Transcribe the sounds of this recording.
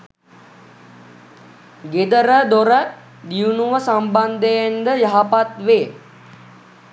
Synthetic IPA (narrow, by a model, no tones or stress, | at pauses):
ɡed̪əɾəd̪oɾə | d̪iunuʋəsamband̪əjend̪əjaɦapat̪ʋeː